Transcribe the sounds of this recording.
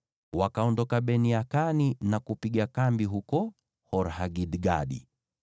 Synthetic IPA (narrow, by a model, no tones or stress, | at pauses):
wakaɔndɔkaɓɛniakaninakupiɠakambiɦukɔ | hɔɾhaɡiɗɡa̰ɗḭ